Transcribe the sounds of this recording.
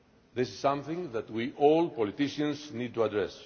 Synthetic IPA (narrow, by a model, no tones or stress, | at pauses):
ðɪsisːʌ̃mθɪ̃ŋðæt̪wiʔɔlpɔlit̪iʃə̃nsnid̚tuad̪ɹɛs